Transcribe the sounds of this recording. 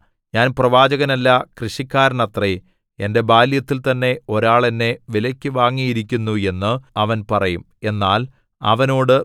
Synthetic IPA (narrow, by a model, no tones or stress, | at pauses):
ɲaːnprɐʋaːd͡ʑɐɣɐnɐlːɐkrɨɕikʲːaːɾɐɳɐt̪re | e̞nde̞baːljɐt̪ːilt̪ɐnːe̞o̞ɾaːɭenːe̞ʋilɐkʲːɨʋaːŋːijiɾikʲːunːue̞nːɨɐʋɐnpɐrɐjum | e̞nːaːl | ɐ̰ʋɐno̞ːɽɨ